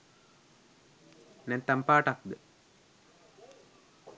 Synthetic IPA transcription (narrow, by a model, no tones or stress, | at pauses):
nent̪ɐmpaːʈak̚d̪ɨ